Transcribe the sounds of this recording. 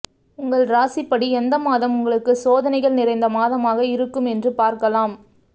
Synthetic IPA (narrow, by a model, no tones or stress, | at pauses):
ʊŋɡɐɭɾaːsɪpːɐɽiɛnd̪ɐmaːðɐmʊŋɡɐɭɯkːɯsoːðɐnɐɪɣɐɭnɪɾɐɪnd̪ɐmaːðɐmaːɣɐɪɾɯkːɯmɛndrɯpaːɾkɐlaːm